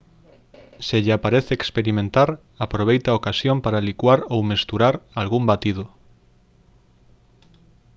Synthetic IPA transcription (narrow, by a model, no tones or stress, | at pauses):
seʎapaɾeθeeːkspeɾimẽnt̪aɾ | apɾoβ̞ejt̪aokasjompaɾalikwaɾowmest̪uɾaɾalɣumbat̪ið̞ʊ